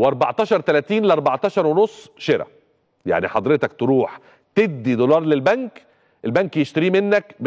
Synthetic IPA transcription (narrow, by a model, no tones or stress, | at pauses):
weʔɑɾˤbɑʕt̪ˤɑːʃɑɾˤt̪ælæt̪iːnleʔɑɾˤbɑʕt̪ˤɑːʃɑɾˤwenosˤːʃeɾæ̰ | ja̰ʕniħɑd̪ˤɾet̪ɑkt̪eɾuːħ | t̪eb̚d̪ːid̪olɑːɾˤlelbæŋk | ʔelbæŋkjeʃt̪æɾiːmenːækb